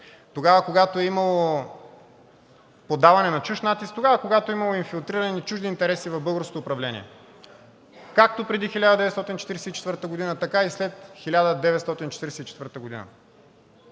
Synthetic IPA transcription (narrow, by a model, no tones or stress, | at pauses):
t̪oɡavəkoɡat̪oɛimɐlˠo | pod̪avɐnɛnɐt͡ʃuʃt̪nat̪ist̪t̪oɡavɐkoɡat̪oɛimɐlˠoinfilˠt̪ɾiɾənit͡ʃuʒd̪iːnt̪ɛɾɛsivɐvbɤlˠɡəɾsko̥t̪oːpɾɐvlɛnʲḭɛ̰ | kak̚t̪opɾɛd̪ixilʲad̪əd̪ɛvɛt̪st̪ɔt̪int͡ʃɛt̪iɾɛsɛit͡ʃɛt̪vɤɾt̪əɡod̪inət̪ɐkaislɛt̪xilʲad̪əd̪ɛvɛt̪st̪ɔt̪int͡ʃɛ̥t̪iɾɛsɛit͡ʃɛt̪vɤɾt̪əɡod̪ḭnə̰